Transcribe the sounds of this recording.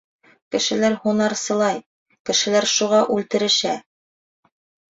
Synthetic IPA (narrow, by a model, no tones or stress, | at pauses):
kɘ̆ʃɘ̆læɾhunɑɾsɤ̆lˠɑj | kɘ̆ʃɘ̆læɾʃuʁɑʔʉlt̪ɘ̆ɾɘ̆ʃæ